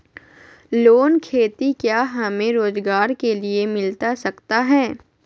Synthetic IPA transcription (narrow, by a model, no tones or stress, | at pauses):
loːnkʰeːt̪ikjaːɦɐmẽɾoːzɡaːɾkeliemɪlt̪asɐkt̪aɦɛː